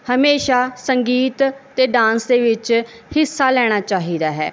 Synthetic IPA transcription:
həmeːʃaːsəŋɡiːt̪ːeːɖãːnsd̪eːʋɪt͡ʃ | hɪsːaːlɛːɽ̃aːt͡ʃaːɦiːd̪aːɦɛ̰ː

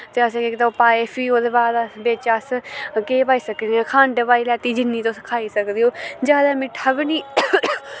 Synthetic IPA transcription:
t̪eːəs̬ẽːket̪apaːeːpʰiːoːd̪eːbaːd̪əsbeːt͡ʃaːskeːpaːiːsəkd̪eãːkʰãːɳɖpaːiːlɛːt̪iːd͡ʒɪnːiːt̪õːskʰaːiːsəkd̪iːoːd͡ʒaːd̪aːmɪ̃ʈʰəbniː

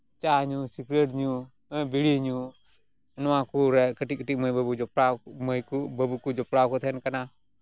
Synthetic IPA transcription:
t͡ʃaɲusikɾeʈɲu | biɽiɲu | nɔwãkuɾɛkəʈikəʈik̚məjbəbud͡ʒɔpɾaməjkubəbukud͡ʒɔpɽakɔt̪ʰɛnkana

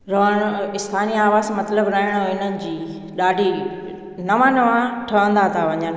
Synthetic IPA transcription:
ɾɐɦəɽ̃ɪst̪ʰaːniaːʋaːzmɐt̪ləbɾɐɦɪɽ̃ɦoɪnənɪ̆d͡ʑiː | ɗaːɖʱi | nɐʋãnɐʋãʈʰɐʋə̃nd̪at̪ʰaʋɐɲən

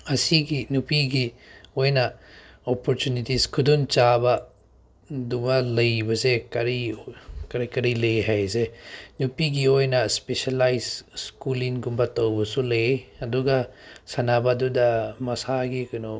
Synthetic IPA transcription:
ɐsiɡinupiɡiojnɐ | opoɾtunitiskʰudunt͡ʃabɐ | dubɐlɐjbɐsekɐɾikɐɾekɐɾilɐjɦajsenupiɡiojnɐspesalajzskuliŋɡumbatɐwbɐsulɐjeɐduɡɐsɐnabadudɐmɐsaɡikɐnɔ

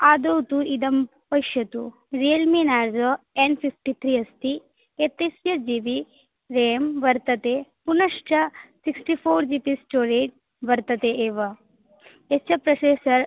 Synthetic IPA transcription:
aːd̪owt̪uʔid̪ɐm | pɐjʃjɐt̪u | ɾiɐlminaːɾzo | enpʰifʈit̪ʰɾiːɐst̪i | et̪ɐsjɐd͡ʒiːʋi | ɾeːmʋɐɾt̪ɐt̪eːpunɐʂʈɐsiksʈipʰoːɾd͡ʒipisʈoːɾeːɖ | ʋɐɾt̪ɐt̪eʔeːʋɐ | et͡ʃʰɐpɾɐseːsɐɾ

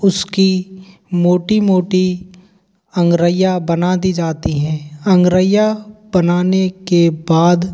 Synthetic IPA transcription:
ʊski | moːʈimoːʈi | ɐ̃ŋɡɾəjabɐnaːd̪id͡ʒaːt̪iɦɛ̃ːɐ̃ŋɡɾəjab̥ɐnaːnekebaːd̪

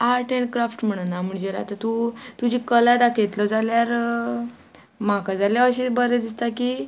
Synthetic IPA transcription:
aɾʈeɳɖkɾafʈm̤əɽ̃ənam̤əɳd͡ʑeɾa̰t̪at̪ut̪ud͡ʑiːkəlad̪akʰejt̪ləd͡zaljaɾ | makad͡zaljaəɕibəɾed̪ist̪akiː

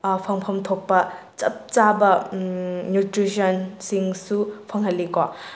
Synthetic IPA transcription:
pʰɐŋpʰɐmt̪ʰok̚pɐ | t͡ʃɐp̚t͡ʃabɐː | jutɾisɐnsiŋsupʰɐŋhɐlːika

